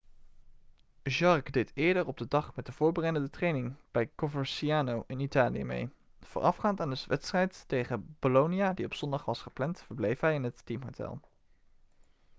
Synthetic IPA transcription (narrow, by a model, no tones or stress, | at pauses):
ʒɑɹkdejtɪːɹdəɹɔb̚dədɑχmɛt̚dəv̥ʊːɹbərɛjdəndətrejnɪŋb̥ɛjkovəɹsiaːnowʔɪnitaːlijə̰mḛj | v̥ʊ̰ːɹɑ̰fχaːntaːndəsʋʔɛtstrɛjttejχəb̥olownijadiɔpsɔndɑχʋɑsχə̥plɛntfəɹblejfɦɛjɪnɦəttimɦowtɛ̰lˠ